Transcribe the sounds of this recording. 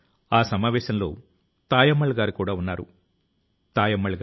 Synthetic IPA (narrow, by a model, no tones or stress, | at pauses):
aːsɐmaːʋɛːʃɐmlo̞̰ː | t̪aːjɐmːɐɭɡaːɾikuːɽaːunːaːɾṵ | t̪aːjɐmːɐɭɡ